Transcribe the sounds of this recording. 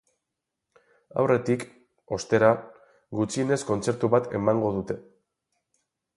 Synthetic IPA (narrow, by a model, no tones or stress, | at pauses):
a̰wrʔe̞t̪ik | o̞st̪e̞ɾa | ɡut͡sine̞sko̞nt͡se̞ɾt̪uβat̪e̞̰maŋɡo̞ðut̪e̞